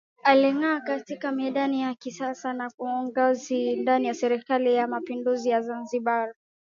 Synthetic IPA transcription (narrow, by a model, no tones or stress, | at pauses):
aliŋaːkatikamɛɗanijakisasanakuɔŋɡɔzindanijasɛɾikalijamapinduzijazanziɓa